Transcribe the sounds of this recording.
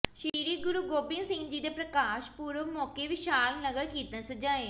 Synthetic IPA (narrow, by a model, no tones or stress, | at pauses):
ʃiːɾiːɡʊɾuːɡoːpɪ̃nsɪ̃ŋɡd͡ʒiːd̪eːpɾəkaːʃpuːɾəmɔːkeːʋɪʃaːlnəɡəɾkiːt̪ə̃səd͡ʒaːeː